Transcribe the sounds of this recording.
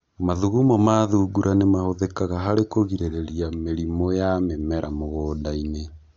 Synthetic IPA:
maðuɣumamaðuːɡuɾʔanemahoðekaɣaɦaɾekoɣiɾeɾeɾiameɾimɔjamemɛɾamoɣoːdaine

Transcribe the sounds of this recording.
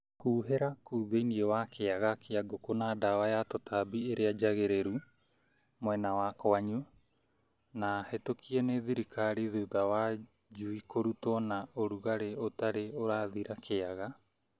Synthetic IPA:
huːɦeɾakuːðeiniɛwakʰeaɣakʰeaɡokonadawajatotʰabieɾead͡ʒaɣeɾeɾu | moɛnawakoaɲu | nahetokʰiɛneðiɾikʰaɾiðuðawa | d͡ʒuikoɾutɔnaoɾuɣaɾeotaɾeoɾaðiɾakʰeaɣa

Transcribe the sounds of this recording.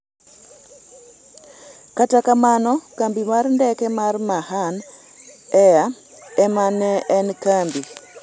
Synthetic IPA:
katakamanɔkambimarndɛkɛmarmahan | ɛa | ɛmanɛɛnkambi

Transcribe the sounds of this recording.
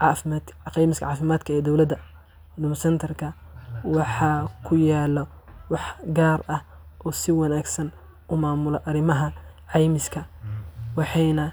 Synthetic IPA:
ʕɑfɪmaqijmɪskɐ̰ʕɑːfɪmaːd̪kʰɐɛːd̪ɔwlɐd̪ɐ | nʊmsɛnt̪ʰɐrkʰɐwɑħɑkʰʊjaːlɔ | wɑħɡaːrɐh | ʔɔːsɪwɑnaːɡsɐn | ʔʊmaːmʊlɐʔɐɾɪmɐɦɐʕɑjmɪskʰɐwɑħɑjnɐ

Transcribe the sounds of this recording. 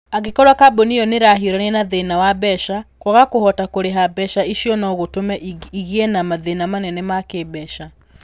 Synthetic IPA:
aɣekɔɾwakaboniɔneɾaɦioɾanenaðenawabɛʃakwɔɣakoɦɔtakoɾeɦabɛʃaiʃjɔnɔɣotomɛiɣiɛnamaðenamanɛnɛmakebɛʃa

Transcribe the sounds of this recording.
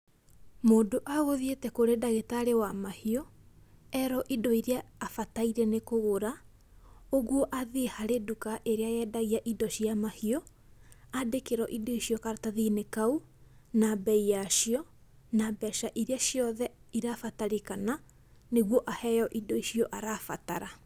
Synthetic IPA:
moːdoʔaɣoðietɛkoɾedaɣetaɾewamahiɔ | ɛɾɔʔidɔiɾiaːfataiɾɛnekoɣoɾa | oɣwɔʔaðehaɾedukaʔeɾeajɛdaɣiaʔidɔɕiamahiɔ | adekeɾɔʔidɔiɕjɔkaɾataðinekau | nabɛijaʃiɔ | nabɛʃaʔiɾeaʃjɔðɛiɾafataɾekana | neɣwɔʔahɛjɔʔidɔiʃiɔʔaɾafataɾa

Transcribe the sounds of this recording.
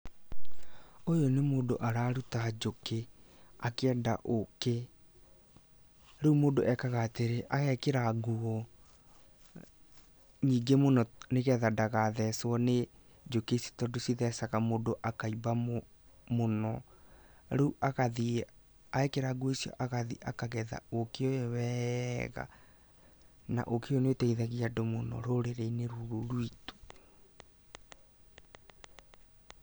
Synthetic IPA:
ojonemoːdoʔaɾaːɾutad͡ʒokeakɛːda̰ʔoke | ɾɛumoːdoʔɛkaɣateɾeʔaɣɛkeɾaɡuɔ | ɲiːɡemonɔneɣɛðadaɣaðɛswɔne | d͡ʒokesi̥tɔdosiðɛsaɣamodoʔakaiba | monɔ | ɾuʔaɣaði | aekeɾaɡoesijɔ̰ʔaɣaðiʔakaɣɛða̰okeoɛwɛɣa̰ | na̰ʔokeonetɛiðaɣiadomonɔ̰ɾoɾeɾeineɾuɾoɾwito̥

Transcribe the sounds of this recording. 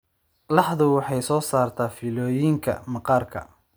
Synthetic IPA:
lɑħðʊwɑħɑjsɔːsaːrt̪ʰaːfilɔːjɪŋkʰɐ̰mɑqɑːrkʰɐ̰

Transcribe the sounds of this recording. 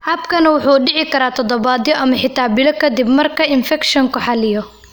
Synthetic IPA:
hɐbkʰɐnɐwʊħuːɖɪʕɪkʰɐɾaːt̪ʰɔd̪ɔbaːd̪jɔʔɐmɐħɪt̪ʰaːbɪlɐkʰɐd̪ɪbmɐrkʰɐɪnfɛkʃɔŋkʰʊħɑlɪjɔ

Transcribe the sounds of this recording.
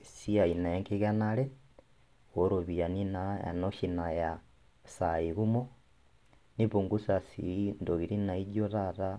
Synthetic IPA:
siainaeŋkiɣanale | ɣoɾoβianinaja̰noʃinaja | saiβumo | niβuŋɡusasḭndoɣiɾinaid͡ʒoɾaɾa

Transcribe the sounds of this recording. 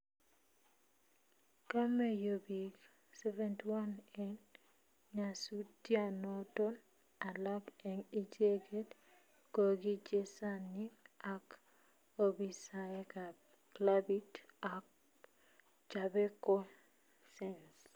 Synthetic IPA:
kamejobik | sɛvɛntiwanɛn | ɲasutianɔtɔn | alakɛnid͡ʒeɡet | koɡid͡ʒesaniak | obisaeka | klabitak̚ | d͡ʒabɛko | sɛns

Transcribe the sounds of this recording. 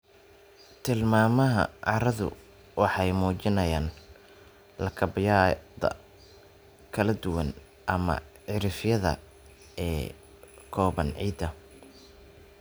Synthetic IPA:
t̪ʰɪlmaːmɐɦɐ̰ʕɑɾɐðʊ̰ | wɑħɑjmuːt͡ʃɪnɐjaːn | lɐkʰɐbɪjaːðɐ̰ | kʰɐlɐd̪ʊwɐn | ʔɐmɐ̰ʕɪɾɪfjɐðɐ̰ | ɛː | kʰɔːβɐnʕḭːd̪ɐ

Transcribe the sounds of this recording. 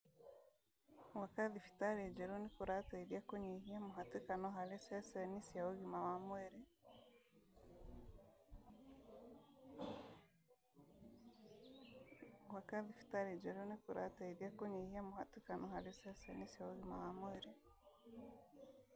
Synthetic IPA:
wakaðifi̥taɾed͡ʒeɾunikuɾataiðjakoɲeɦiamuɦatikanɔɦalisɛsɛnisiauɣimawamweɾi | wakaðifi̥taɾed͡ʒɛɾunikuɾʔa̰taiðjakoɲehiamuhatikanɔhalisɛsɛnisiauɣimawamweɾi

